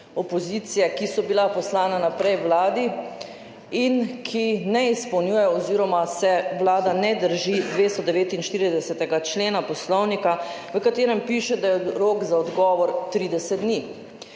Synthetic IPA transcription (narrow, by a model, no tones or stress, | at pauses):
ɔpɔziːt̪sijɛkisɔbilapɔslaːnanapɾɛjwlaːd̪i | inkʰinɛispəwnjuːjɛɔziːɾɔmasɛwlaːd̪anɛd̪əɾʒid̪ʋeːst̪ɔd̪ɛʋeːt̪inʃt̪iːɾid̪ɛsɛt̪ɛɡat͡ʃleːnapɔslɔwnika | ʋəkat̪eːɾɛmpiʃɛd̪ajɛɾoːkzaɔd̪ɡɔʋɔɾt̪ɾiːd̪ɛsɛt̪d̪ni